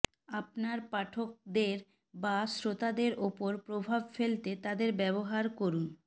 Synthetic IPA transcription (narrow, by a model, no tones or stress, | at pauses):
apnaɾpaʈʰok̚d̪eɾ | basɾot̪ad̪eɾʔopoɾpɾobʱabfelt̪et̪ad̪eɾbɛβoɦaɾkoɾun